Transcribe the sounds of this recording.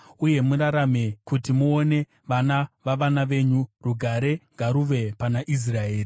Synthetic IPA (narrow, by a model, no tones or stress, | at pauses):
uje̞muɾaɾame̞kutimuone̞ | ʋanaʋaʋanaʋe̞ːɲuruɡʱaɾe̞ŋɡaɾuʋe̞panaʔis̬rae̞ːri